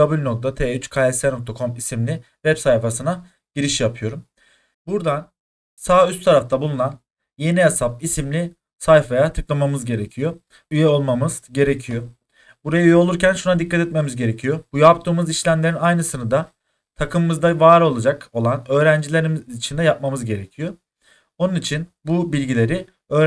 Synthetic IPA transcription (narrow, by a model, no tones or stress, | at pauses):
abulʲno̞k̚t̪at̪ʰeːyt͡ʃkʰaɛsɛnok̚t̪ʰakʰo̞misimlʲi | vɛpsajfasɯna | ɟ̥iɾiʃjapʰɯjo̞ɾum | buɾd̪an | saːyst̪ʰaɾaft̪ʰabulˠunan | je̞niesap̚isimlʲi | sajfajat̪ʰɯklˠamamɯzɟe̞ɾecʰijo̞ | yjɛo̞lˠmamɯz̥ɟe̞ɾe̞cʰijo̞ | buɾajayjɛolˠuɾcʰænʃunad̪ikʰːat̪ɛt̪̚me̞mizɟe̞ɾe̞cʰijo̞bujapt̪ʰɯːmɯziʃlʲæmlʲe̞ɾinajnɯsɯnɯd̪a | t̪ʰakɯmmɯzd̪avaːɾo̞lˠad͡ʒako̞lˠanø̞ːɾænd͡ʒilʲe̞ɾimiit͡ʃʰind̪ɛjap̚mamɯzɟe̞ɾe̞cʰijo | onunit͡ʃʰinbubilʲɟilʲe̞ɾi | ø̞ːɾ